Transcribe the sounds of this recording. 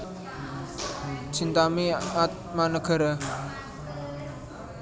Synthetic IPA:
t͡ʃʰint̪ameat̪̚ | manəkʰəɾə

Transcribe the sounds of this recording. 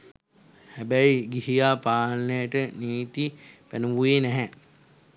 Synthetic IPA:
hæbæjɡihijaːpaːlnəjəʈəniːt̪ipænəʋujeːnɛɦɛ

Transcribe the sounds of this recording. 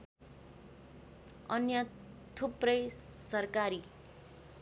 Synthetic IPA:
ʌnjʌ | t̪ʰuprʌjsʌrkaɾi

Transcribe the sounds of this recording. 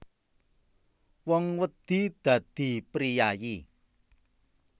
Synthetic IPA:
wɔŋwəd̪̥i̤d̪̥ä̤d̪̥i̤pɾijaji

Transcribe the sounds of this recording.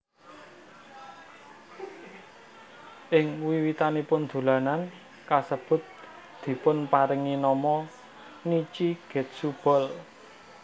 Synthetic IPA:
ʔɪŋwiwit̪anipʊnd̪̥ṳlanan | kasəb̥ʊ̤t̪̚ | d̪̥i̤pʊnpaɾɪŋinɔmɔ | nit͡ʃiɡ̥ɛ̤t̪̚sub̥ɔ̤l

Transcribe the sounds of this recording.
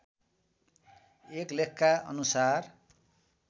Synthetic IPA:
eklekʰːaʌ̰nusar

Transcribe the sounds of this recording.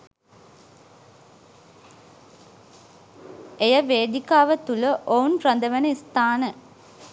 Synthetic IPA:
ejəʋeːd̪ikaːʋət̪uləʔoːnprɐnd̪ɐʋɐnɐist̪aːnə

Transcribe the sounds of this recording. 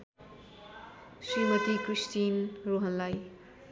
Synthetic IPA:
simotikɾistinɾuɦənlaj

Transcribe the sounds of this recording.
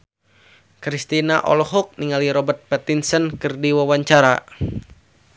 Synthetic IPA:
kɾist̪inaʔɔ̰lɔɦɔk̚niŋaliɾɔbərt̪̚pɛt̪insənkɨrdiwawaɲt͡ʃaɾa

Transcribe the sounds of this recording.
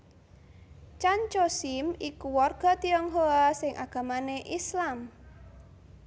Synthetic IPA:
t͡ʃaɲt͡ʃosimikuwɔrɡ̥ɔ̤t̪iɔŋɦoasɪŋʔaɡ̥a̤maneʔislam

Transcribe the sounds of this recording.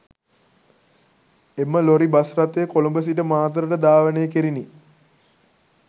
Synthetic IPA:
eməloɾibasrat̪eːkolumbəs̬iʈəmaːt̪ɾəʈəd̪aːʋənejəkiɾini

